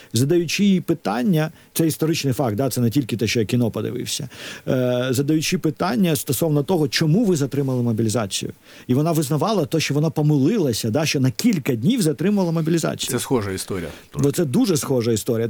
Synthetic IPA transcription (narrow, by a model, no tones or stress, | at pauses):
zɐd̪ɐjʊt͡ʃipɪt̪anʲːɐt̪sɛist̪ɔɾɪt͡ʃnɪjfɑk̚t̪̚d̪at̪sɛnɛtʲilʲkɪt̪ɛʃt͡ʃɔjakʲinɔpɐd̪ɪ̰ʋɪ̰wsʲɐ̰ | zɐd̪ɐjʊt͡ʃipɪt̪anʲːɐst̪ɔsɔwnɔt̪ɔɦɔt͡ʃɔmuʋɪzɐt̪ɾɪmɐlˠɪmɔbʲilʲɪzɑ̰t͡sʲḭjʊ̰ | iʋɔnɑʋɪznɐʋɑlˠɐt̪ɔʃt͡ʃɔʋɔnapɔmɪlˠɪlˠɐsʲɐd̪aʃt͡ʃɔnɐkʲilʲkɐdʲnʲiwzɐt̪ɾɪmʊʋɐlˠɐmɔbʲilʲizɑ̰t͡sʲi̥jɛsxɔʒɐist̪ɔɾʲɪ̰j̰ | ɔt̪sɛd̪uʒɛsxɔʒɐist̪ɔɾʲijɐ